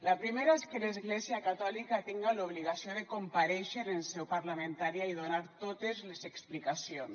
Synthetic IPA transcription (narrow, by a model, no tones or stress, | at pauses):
lapɾimeɾaeskelezɣlɛziakat̪ɔlikat̪iŋɡaluβliɣasioðekompaɾɛʃeɾensɛwpaɾlamẽnt̪aɾiaiðonaɾt̪ot̪ezlezeksplikasions